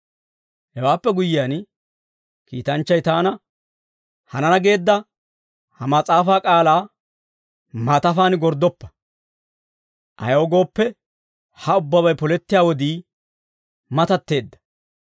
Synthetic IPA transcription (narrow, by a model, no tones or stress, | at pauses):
hɛwaːpːɛɡʊjɪjaːn | kḭːt̪ɐnt͡ʃːɐjt̪aːnɐ | hɐnɐnɐɡe̞ːd̪ːɐ | hɐmɐt͡sʼaːfaːkʼaːlaː | mɐt̪ɐfaːnɪɡɔɾd̪ɔpːɐ̥ | ʔɐ̰jɐwɡo̞ːpːɛ | hɐʊbːɐβɐjpɔlɛt̪ːɪjaːwɔd̪iː | mɐt̪ɐt̪ːe̞ːd̪ːɐ̥